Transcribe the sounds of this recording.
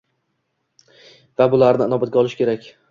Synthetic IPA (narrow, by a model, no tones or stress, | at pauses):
vabʊlaɾnɪnɒbat̪̚ɡʲaɒlˠɪʃkʲe̞ɾakʲ